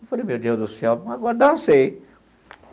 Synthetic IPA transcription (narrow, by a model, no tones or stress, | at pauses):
folɪmewd̪ewzd̪ʊsɛwaɡɔɾɐd̪ɐ̃sej